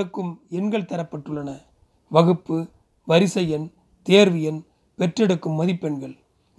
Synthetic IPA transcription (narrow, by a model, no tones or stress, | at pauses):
ɯkːɯmɛnɡɐɭt̪ɐɾɐpːɐʈːɯɭːɐnɐ | ʋɐɣɯpːɯ | ʋɐɾɪsɐjɐn | t̪eːɾʋɪjɐn | pɛʈrɐɽɯkːɯmːɐðɪpːɛɳɡɐɭ